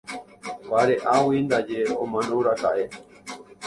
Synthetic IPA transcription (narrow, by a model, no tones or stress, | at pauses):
baɾeʔawind̪ad͡ʒeomãnd̪oɾaka̰ʔe